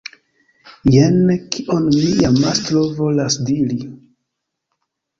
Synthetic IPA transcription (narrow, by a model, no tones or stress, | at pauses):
jenkʰiʔonmijamastɾovo̞lasdiɾi